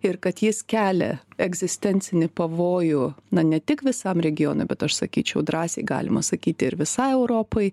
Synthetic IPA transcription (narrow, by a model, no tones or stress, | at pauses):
ɪɾkɐt̪jɪskʲæːlʲɛ̰ɛɡzʲɪsʲt̪ʲɛnʲt̪t͡s̪ʲɪnʲɪpɐʋoːjʊnɐnʲɛt̪ʲɪkʋʲɪsɐmɾʲɛɡʲɪjoːno̰ɪbʲɛt̪ɐʃsɐkʲiːt͡ʃʲɛʊd̪ɾɑːsʲɛ̰ɪɡɑ̰ːlʲɪmɐ̰sɐkʲiːt̪ʲɪɾʋʲɪsɐɪɛʊɾoːpɐɪ